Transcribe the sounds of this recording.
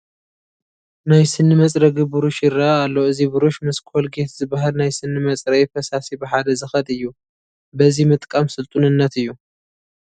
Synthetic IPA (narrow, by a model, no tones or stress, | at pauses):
najsɨnːɨmɐt͡sʼɾɐɡɨbɨɾuʃjɪɾaːlːoɨzibɨɾuʃmɨskʰolɡe̞t̪zɨbaɦalnajsɨnːɨmɐt͡sʼɾɐjfɐsasibɨħad̪ɐzɨxɐt̪ʼɨjːu | bɐzimɨt̪ʼkʼamsɨlt̪ʼunɨnːɐt̪ɨjːu